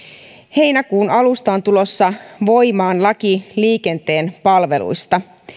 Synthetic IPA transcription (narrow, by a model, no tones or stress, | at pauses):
he̞jnækuːnɑlust̪ɑont̪ulo̞sːɑʋo̞jmɑːnlɑkiliːke̞nt̪e̞ːnpɑlʋe̞lṵjst̪ɑ